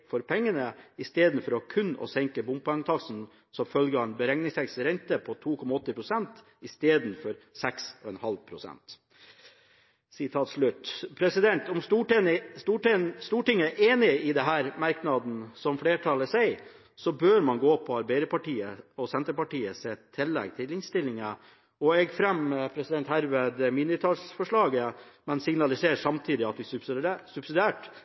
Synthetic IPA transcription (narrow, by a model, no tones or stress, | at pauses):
fɔɾpʰɛŋːənəɪst̪eːd̪n̩fɔɾɔkʰʉnːɔ̰sɛŋkəbʊmpɑŋt̪ʰɑksn̩ | sɔmfœlɡəɑnbəɾɛŋnɪŋsʰɛksɾɛnt̪əpʰɔt̪ʰuːkʰɔmːɑɔt̪ːəpɾʊsɛnt̪ | ɪst̪eːd̪nfɔɾsɛksɔɛnhɑlpʰɾʊsɛ̰nt̪ | sɪt̪ʰɑːt̪ʂɭʉt̪pʰɾɛsɪd̪ɛnt̪ɔmuʈ̪st̪uːʈ̪st̪uːʈɪŋːəæʔeːnɪɪd̪ɛɦæːɾmɑɾknɑd̪n̩sɔmfɽeːʈʰɑləsæɪ | sɔbøːɾmɑnɡoːpʰɔɑɾbæɪɾəpɑʈiːəɔsɛnt̪əɾpɑʈiːəsɛt̪ʰːɪlːɛ̰ɡt̪ʰɪlɪŋst̪ɪlːɪŋə | ɔɛɡfɾɛmpʰɾɛsɪd̪ɛnt̪hæɾʋeːd̪minət̪ʰɑːlsfɔʂɭɑːɡəmɛnsɪɡnɑlɪseːɾʂɑmt̪ʰiːd̪ɪɑt̪ʋɪssʉb̥sɪd̪æːʈ